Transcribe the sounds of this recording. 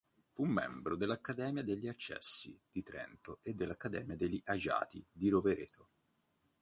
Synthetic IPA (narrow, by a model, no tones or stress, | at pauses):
fumːɛ̰mbɾod̪elːakːad̪ɛːmjad̪eʎːiat͡ʃːɛ̰sːḭd̪̥it̪ɾɛ̰nt̪oed̪ːelːakːad̪ɛ̰ːmjad̪eʎːiʔad͡ʒa̰ːt̪id̪iɾoveɾḛːt̪ʰo